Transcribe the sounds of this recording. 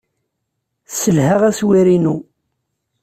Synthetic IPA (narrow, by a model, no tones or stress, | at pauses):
səlhəʁæswiɾinu